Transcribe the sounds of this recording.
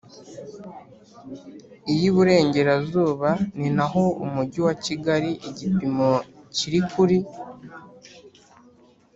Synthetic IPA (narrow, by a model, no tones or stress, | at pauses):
ijiβuɾe̞ːɲɟe̞ɾazuːβaninaɦo̞umuɟiwaciɡaɾiʔiɟipimo̞ciɾikuɾi